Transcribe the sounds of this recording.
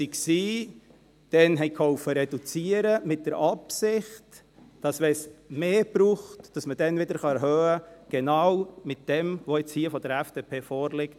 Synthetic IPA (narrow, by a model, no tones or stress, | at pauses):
siksiː | d̥ɛnɦɛɪkʰɔʊfəɾɛd̥ut͡siəɾəmɪt̚d̥əɾɑpsɪχt | d̥ɑsʋɛsmeːb̥ɾuːχtd̥ɑsməd̥ɛnʋɪdəɾχɑɛɾɦœːəɡ̥ɛnɑwmɪt̚d̥ɛmʋoɪt͡shiːəfɔd̥əɾɛfd̥epʰeːfɔːɾlɪkt